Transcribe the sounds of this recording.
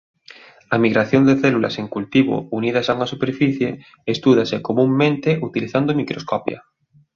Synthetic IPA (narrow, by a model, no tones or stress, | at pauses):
amiɣɾaθjond̪eθelula̰seŋkult̪iβ̞o̰uniðasauŋasupeɾfiθjeː | st̪uðasekomũmːẽnt̪eʔut̪iliθand̪omikɾoskɔpja̰